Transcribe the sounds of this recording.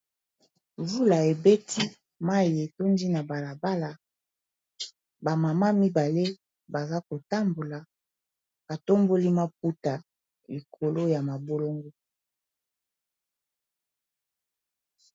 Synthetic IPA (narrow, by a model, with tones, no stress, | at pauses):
vu˦la˨e˨be˦tʰi˦ | ma˦je˨to˦ndi˦na˨ba˨la˨ba˦la˨ | ba˨ma˨ma˦mi˦ba˨le˦ | ba˨za˦ko˨ta˦mbo˨la˨ | b̥a˨to˦mbo˦li˦ma˦p̚u˦ta˨ | li˨kʰo˨lo˦ja˨ma˨bo˦lo˦ŋɡo˦